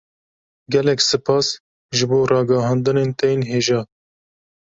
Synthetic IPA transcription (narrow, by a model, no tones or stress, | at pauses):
ɡʲɛlɛksɨpʰɑːs | ʒɨboːrɑːɡɑɦɑːnd̪ɨneːnt̪ɛjeːnɦeːʒɑː